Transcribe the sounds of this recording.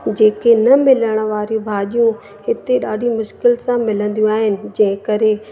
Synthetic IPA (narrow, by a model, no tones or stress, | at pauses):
d͡ʑeːkenɐmɪləɽ̃ə̆ʋaːɾjũbʱaːʄijũ | hɪt̪eɗaːɖʱimʊʃkɪlsãmɪlə̃nd̪ijũaːɦɪnɪ̆d͡ʑɐ̃ɦɪ̃kɐɾe